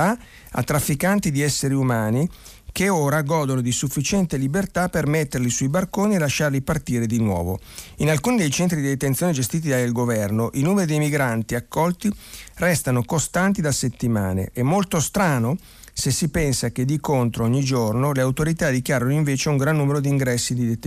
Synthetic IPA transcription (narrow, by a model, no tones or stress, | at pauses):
a | a̰t̪ːɾafːikant̪id̪iɛsːeɾiumaːni | keoːɾaɡɔːd̪onod̪isufːit͡ʃɛnt̪elibert̪apermet̪ːerlisuibarkoːnielaʃːarlipart̪iːɾed̪inwɔ̰ːvo | inalkuːnid̪ejt͡ʃɛnt̪ɾid̪id̪et̪ent̪sjoːned͡ʒest̪iːt̪id̪alɡovɛrnoʔinuːmeɾid̪ejmiɡɾant̪iakːɔlt̪irɛst̪anokost̪ant̪id̪aset̪ːimaːnḛʔɛmːolt̪ost̪ɾaːno | sesipɛnsaked̪ikont̪ɾooɲːid͡ʒornoleawt̪oɾit̪ad̪ik̟jaːɾanoiɱveːt͡ʃeuŋɡɾanːuːmeɾod̪iŋɡɾɛsːid̪id̪e